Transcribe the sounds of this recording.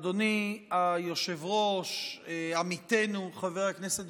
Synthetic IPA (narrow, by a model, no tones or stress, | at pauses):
d̪oniajo̞ʃevʁoʃamit̪e̞nuχaveʁakneset